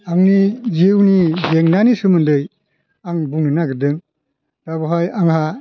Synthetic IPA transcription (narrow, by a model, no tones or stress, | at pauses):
aŋnizewnizeŋnanisɯmɯndɯj | aŋbuŋnɯnaɡɯdɯŋ | d̥abɯɦajaŋɦa